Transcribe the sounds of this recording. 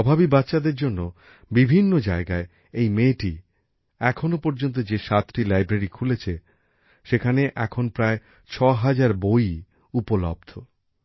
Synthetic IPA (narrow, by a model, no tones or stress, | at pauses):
ɔbʱabibatːɕad̪eɾd͡ʑonːo | bibʱinːod͡ʑaeɡae | ejmeʈi | ɛkʰonopoɾd͡ʑont̪̬od͡ʑeʃat̪ːɾilajbɾeɾikʰulet͡ɕʰe | ʃekʰaneʔɛkʰonpɾae | t͡ɕʰɔɦad͡ʑaɾboj | upolɔ̰b̚d̪ʱo